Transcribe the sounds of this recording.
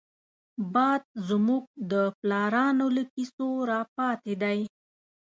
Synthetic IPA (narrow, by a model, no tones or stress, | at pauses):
bɑd̪̚zmuɡ̚d̪əplɑɾɑnoləkisoɾɑpɑt̪ed̪aj